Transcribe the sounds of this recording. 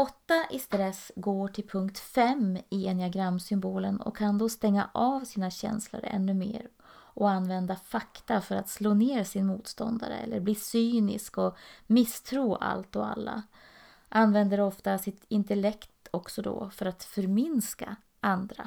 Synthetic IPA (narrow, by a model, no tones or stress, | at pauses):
ɔt̪ːaʔɪst̪ɾɛsɡoːʈʰɪlpʰɵŋk̚t̪fɛmːeeːnɪaɡɾamːsʏmboːlənɔ̰kʰːand̪ɔst̪ɛŋːa̰ʔaːvsiːnaɕɛ̰nslə̰ɾɛ̰nːɵmḛːɾ | ʔɔanːvɛnd̪afakt̪afœɾat̪sloːneːɾsɪnmuːt̪st̪ɔ̰nd̪a̰ɾə̰ɛ̰lːəɾbliːsyːnɪ̰skɔmɪst̪ʰɾuːʔa̰lt̪ɔa̰lːa̰ | ʔanvɛnd̪əɾɔft̪asɪt̪ɪnt̪ɛlɛkt̪ɔksɔd̪ɔ̰fœɾat̪fœɾmɪnska̰ | ʔand̪ɾa̰